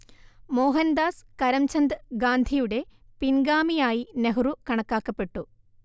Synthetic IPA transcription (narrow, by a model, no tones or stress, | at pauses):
mo̞ːɦɐnd̪aːskɐɾɐmt͡ɕʰɐnd̪ɨɡaːnd̪ʱijuɽe̞pinɡaːmijaːjineɦurukɐɳɐkːaːkːɐpːe̞ʈːu